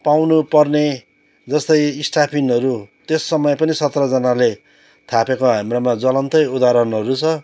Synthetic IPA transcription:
pawnupʌrne | d͡zʌst̪ʌjisʈapʰinʌɾut̪esːʌmʌjpʌnisʌt̪rʌd͡zʌnale | t̪ʰapekoɦamɾomad͡zʌlʌnt̪ʌjud̪aɾʌnɦʌɾut͡sʰʌ

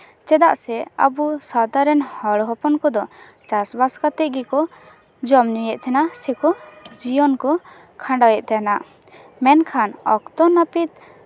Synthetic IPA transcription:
t͡ʃɛd̪aʔsɛa̰busad̪aɾɛnhɔɽɦɔpɔnkɔd̪ɔ | t͡ʃasbaskat̪ɛʔɡɛkɔ | d͡ʒɔmnijɛʔt̪ʰɛnasɛkɔd͡ʒijɔnkɔ | kʰãɳɖajɛʔt̪ʰɛnaʔ | mɛnkʰanɔkt̪ɔnapit̪̚

